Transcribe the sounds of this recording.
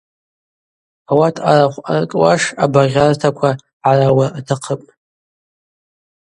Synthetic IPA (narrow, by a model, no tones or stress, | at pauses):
awatʰaɾaχʷa̰rkʼwaʂabaʁʲartʰakʷʰa | ʕarawaːtʰaqʰəpʼ